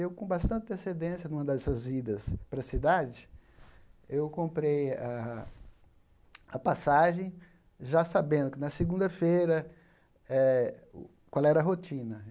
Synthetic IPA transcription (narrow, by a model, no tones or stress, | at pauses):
ewkõbast̪ɐ̃nt͡ʃɪesed̪ẽsjɐnũmɐd̪ɐɛsɐzid̪ɐspɾɐsid̪ad͡ʒɪ | ewkõmpɾeja | ɐpasaʒẽj̃ | ʒasabẽnd̪ʊkɪnɐsɪɡũnd̪ɐfejɾɐ | ɛ | kwalɛɾɐɦot͡ʃĩnɐ